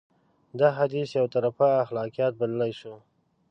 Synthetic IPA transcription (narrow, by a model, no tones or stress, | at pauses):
d̪aɦad̪isjawt̪aɾafaːxlɑkijɑt̪̚balalajʃu